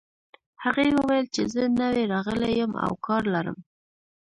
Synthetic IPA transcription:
haɣejwəwajəlt͡ʃezənəweɾɑɣəlejəma̰wkɑɾlaɾə̰m

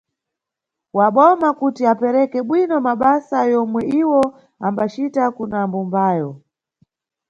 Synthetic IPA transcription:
waɓɔmakutiapɛɾɛkɛɓwinɔmaɓasajɔmwɛiwɔ | ambat͡ʃitakunambumbaːjɔ

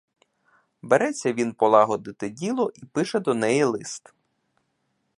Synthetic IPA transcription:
beɾɛt͡sʲːɐʋʲinpɔlˠɑɦɔd̪ɪt̪ɪdʲilˠɔʔipɪʃɛd̪ɔnɛjilˠɪst̪

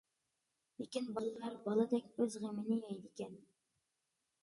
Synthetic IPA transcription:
lɪkʲinbɑlˠɨlˠɑɾbɑlˠɨd̪ɛkʲøzʁemɪnɪɛjd̪ɪkʲɛn

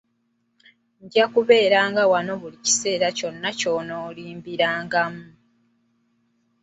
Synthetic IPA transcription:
ɲɟakuβe̞ːɾaːŋɡawano̞βulici̥se̞ːɾaco̞nːaco̞noːliːmbiɾaːŋɡamu

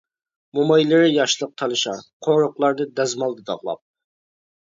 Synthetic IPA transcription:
momɑjlɪɾɪjɑʃlˠəq̚t̪ʰɑlˠɨʃɑ̰qʰoɾʊqlˠɑɾd̪ɨd̪ɛzmɑlˠd̪ɨd̪ɑ̰ʁlˠɑ̰p̚

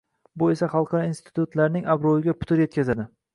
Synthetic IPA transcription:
bʊe̞saχɑlˠqɑɾɒinst̪ʰɪ̥t̪ʊt̪laɾnɪŋabɾowɪɡʲapʰʊ̥t̪ɪɾjekʲʰazad̪ɪ

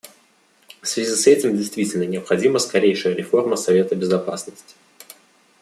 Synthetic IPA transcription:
fsvʲɪzʲisɛtʲɪmdʲɪjst̪vʲitʲɪlʲnənʲɪəpxɐdʲiməskɐɾʲejʂɨjəɾʲɪfo̞rməsɐvʲe̞t̪əbʲɪzɐpasnəsʲtʲɪ̥

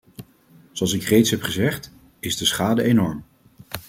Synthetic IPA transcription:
zoɑlˠsɪkrejtsɦɛpχəzɛχt | ɪzdəsχaːdəenɔɹm

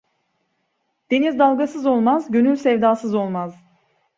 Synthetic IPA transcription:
d̪̥e̞nizd̪alˠɡasɯzo̞lˠmazɟø̞nylʲsɛvd̪aːsɯzo̞lˠmaz̥

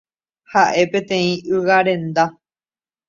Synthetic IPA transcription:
haʔe̞pẽ̞t̪ẽ̞ĩɨwaɾẽ̞nd̪a

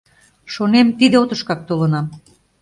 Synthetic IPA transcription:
ʃonemt̪id̪eot̪ə̆ʃkɑk̚t̪olənɑm

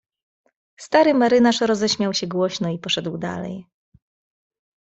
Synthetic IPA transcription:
st̪aɾɘmɛɾɘnaʂɾɔzɛɕmʲjawɕɛɡwɔɕnɔipɔʂɛd̪wd̪a̰lɛ̰j

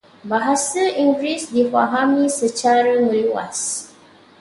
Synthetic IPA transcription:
baɦasəĩŋɡɹisdifaɦamĩsət͡ʃaɾəŋuluwa̰s

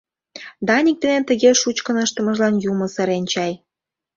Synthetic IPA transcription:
d̪ɑnʲik̚d̪enent̪ə̆ɣeʃut͡ɕkənəʃt̪ə̆mə̆ʒlɑnjumɤ̆sĕɾenʲt͡ɕɑj

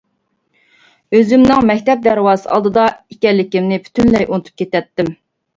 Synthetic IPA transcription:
øzymnɪŋmɛkʲt̪ɛp̚d̪æɾwɑːsɨɑ̰lˠd̪ɨd̪ɑikʲɛnlːɪkʲimnɪpʰy̥t̪ʰynlɛjʔunɨt̪ʰu̥p̚kʲʰet̪ɛt̪ːɪm

